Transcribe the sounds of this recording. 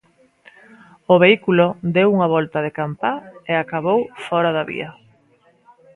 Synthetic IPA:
oβeikulod̪ewuŋaβ̞ɔlt̪aðekampaeakaβowfɔɾaðaβḭɐ

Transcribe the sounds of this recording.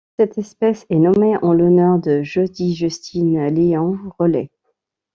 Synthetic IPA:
sɛt̪ɛspɛsɛnɔmeʔɑ̃lɔnœʁd̪əʒɔd̪iʒyst̪ʰinleɑ̃ʁɔlɛ

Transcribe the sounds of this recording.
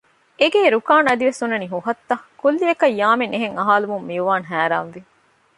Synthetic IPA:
eɡeːɾukaːnɐd̪iʋesunːɐniɦuɦɐt̪ːɐkulːiɐkɐjːaːmeneɦeŋɐɦaːlumumːiuʋaːnɦæːɾa̰ːnʋi

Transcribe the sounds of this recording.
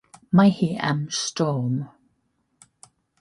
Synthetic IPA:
majhia̰mstɔːm

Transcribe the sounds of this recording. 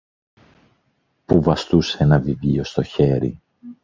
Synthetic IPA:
puvɐst̪useenɐvivio̞st̪oçe̞ɾḭ

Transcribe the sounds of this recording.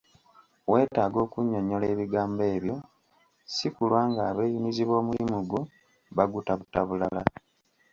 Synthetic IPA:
we̞ːtaːɡo̞ːkuɲːo̞ɲo̞le̞ːβiɡaːmbe̞ːβjo̞ | sikulwaːŋɡaːβe̞ːjimiziβo̞ːmuimuɡo | βaɡutaβutaβulala

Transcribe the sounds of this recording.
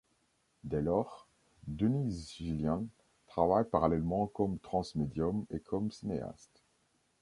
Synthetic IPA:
d̪ɛlɔːʁ | d̪ənizʒiljɛ̃ | t̪χavajpaʁalɛlmɑ̃kɔmt̪χɑ̃smed̪jɔmekʰɔmsinea̰st̪

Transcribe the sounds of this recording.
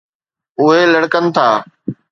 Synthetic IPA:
ʊɦeləɽkənt̪ʰaː

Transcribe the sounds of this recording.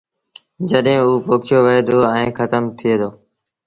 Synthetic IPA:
d͡ʒəɗɦẽːuːpoːkʰɪjoːʋəɦeːd̪oːɛ̃ːkət̪əmt̪ʰɪeːd̪oː

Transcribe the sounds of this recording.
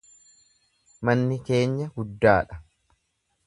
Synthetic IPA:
mɐnːɪke̞ːɲːɐɡʊd̪ːaːᶑɐ

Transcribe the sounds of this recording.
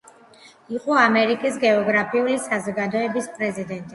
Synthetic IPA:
iqʼɔamɛɾikʼisɡɛɔɡɾapʰiulisazɔɡad̪ɔɛbispʼɾɛzid̪ɛnt̪ʼi

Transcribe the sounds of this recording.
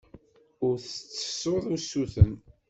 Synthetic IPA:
ʊɾθət͡sːə̥sːoðˤusːuθən

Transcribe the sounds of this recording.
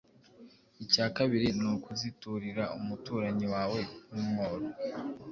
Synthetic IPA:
icaːkaβiɾinukuzituɾiɾaumutuːɾaɲiwaːwe̞numŋoːɾo

